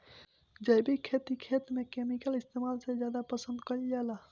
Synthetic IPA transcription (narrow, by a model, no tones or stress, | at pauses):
d͡ʒəjbikʰeːt̪ikʰeːt̪mẽkeːmikəlɪst̪eːmaːlsezjaːd̪apəsə̃nd̪kəld͡ʒaːla